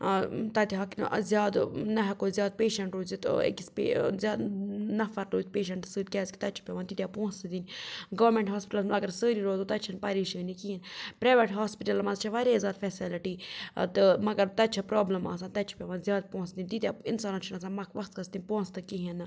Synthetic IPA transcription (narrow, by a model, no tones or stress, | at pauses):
t̪ɐt̪iɦakn̰zʲjaːd̪nɐɦɛkoːzʲjaːd̪̚peːʃɐɳʈɾoːzit̪ɨ̰ḛkispḛzʲjaːd̪nɐfɐɾɾoːt̪̚peːʃɐɳʈsɨːd̪̚kʲɛːzki̥t̪ɐt͡ʃʰi̥pʲjaʋaːnt̪it̪japõːsd̪iniɡɐʋɾmẽɳʈɦaːspɪʈɐlsɐɡɐɾsəːɾiɾoːd̪ut̪ɐt͡ʃʰɐnpɐɾiːʃəːnikiɦinpɾaːʋeʈɦaːspɪʈɐlmɐzt͡ʃʰɐʋaːɾezʲaːd̪fɛːsiliʈit̪ɨmɐɡɐɾt̪ɐt͡ʃʰipɾoːblɐma̰ːsaːnt̪ɐt͡ʃʰi̥pʲjaːʋaːnzʲjaːd̪̚põːsd̪inʲt̪it̪ʲjaɪnsaːnat͡ʃʰinasaːnmɐkʰʋɐxt̪kɐst̪inʲpõːt͡st̪ɨkiɦinɨ